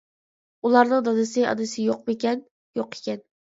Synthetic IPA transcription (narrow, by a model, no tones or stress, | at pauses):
ulˠɑɾnɨŋd̪ɑd̪ɨsɪɑ̰d̪ɨsɪjoq̚mɪkʲɛn | joqʰe̥kʲɛn